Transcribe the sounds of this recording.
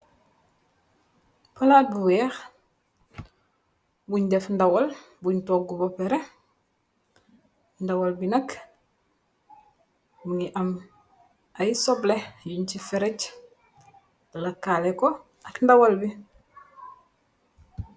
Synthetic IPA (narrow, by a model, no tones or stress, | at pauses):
palaːt̚buwɛːx | buɲdɛfndawal | buɲtok̚ɡubopeɾe | ndawalbinak | buŋiʔam | ajisɔblejuɲtifɛɾec | lakːaleko | akndawalbi